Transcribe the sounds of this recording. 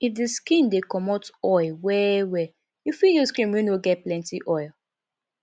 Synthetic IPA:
ifdeskĩndekɔmɔtɔɪwɛwɛ | jufiljɔskɹĩmwɛ̃nwiɡɛt̚plɛ̃ntiʔɔɪl

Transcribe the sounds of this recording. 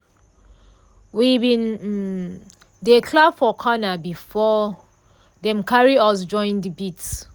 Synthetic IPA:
wibĩn | dekʰlabfɔkʰɔnabifɔ | dɛ̃mkʰaɹiɔs̬d͡ʒɔ̃ɪ̃ndibits

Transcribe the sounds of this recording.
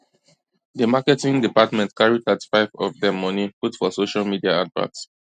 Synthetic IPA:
dəmakɛtĩŋdipatmɛ̃ntkʰaɹitatfaɪvɔ̰vdɛ̃mːɔniputfɔsoʃalmidiaadvã̰s

